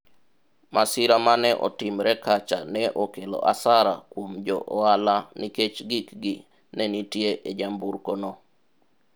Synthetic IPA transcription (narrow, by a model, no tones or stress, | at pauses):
mʔasiɾamanɛʔɔ̰timɾɛkat͡ʃa̰nɛʔokelɔ̰ʔasaɾakwomd͡ʒɔʔɔalaniket͡ʃɡikɡi | nɛnitjeʔed͡ʒambuɾkonɔ